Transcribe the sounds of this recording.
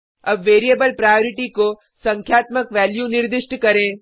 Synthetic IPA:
ɐbʋeːɾijebəlpɾaːjoːɾɪʈiko | sɐ̃ŋkʰjaːt̪məkʋɛːljunɪɾd̪ɪʃʈkɐɾẽː

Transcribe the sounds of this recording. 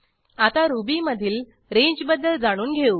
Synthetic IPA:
at̪aɾubiməd̪ʱiːl | ɾẽɲd͡ʑbəd̪ːəld͡zaɽ̃uːnɡʱeuː

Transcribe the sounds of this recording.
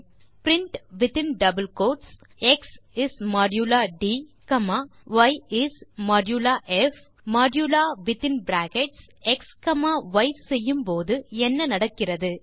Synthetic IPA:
pɾɪɳʈʋɪt̪ɪnɖɐbɐlkoːʈs | ɛksɪsmaːɖjuːlaːɖiːkɐmaːʋɐjɪsmaːɖjuːlaːʔɛf | maːɖjuːlaːʋɪt̪ɪnbɾaːkɛʈsɛkskɐmaːʋɐɪsɛjːɯmpoːðɯɛnːɐnɐɽɐkːɪrɐðɯ

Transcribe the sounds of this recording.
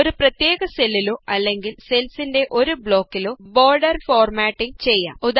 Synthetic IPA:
oɾuprɐt̪je̞ːɣɐselːiloːʔɐlːe̞ŋɡilse̞lsinde̞ʔo̞ɾubɭo̞ːkːiloːbo̞ːrɖɐrfoːrmaːʈːiŋt͡ɕe̞jːa̰ːud̪

